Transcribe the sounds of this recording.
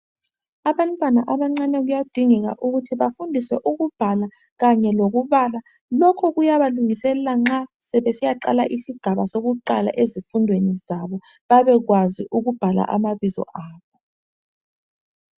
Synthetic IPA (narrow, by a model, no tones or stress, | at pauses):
aβantʼwana̰ʔaβaŋ͡ǀanɛɣujad̥ʱiŋɛɣa̰ʔuɣutʰiβafundʱiswɛʔuɣub̥ʱala | ɣaɲɛloɣuβala | lɔkʰɔɣujaβaluŋisɛlɛlaŋ͡ǁasɛβesijaǃa̰laʔisiɡ̥ʱaβa̰soɣuǃala̰ʔezifundʱwenizaβɔ | βaβɛɣwaziʔuɣub̥ʱala̰ʔa̰maβizɔ̰ʔaːβɔ